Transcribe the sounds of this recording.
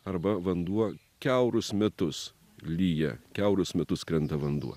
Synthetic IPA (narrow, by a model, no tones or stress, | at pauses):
ɐɾbɐʋɐnd̪uɔ | kʲɛʊɾʊsmʲɛt̪ʊs | lʲiːjɛ̰kʲɛʊɾʊsmʲɛt̪ʊskɾʲɛnˑt̪ɐʋɐnd̪ṵɔ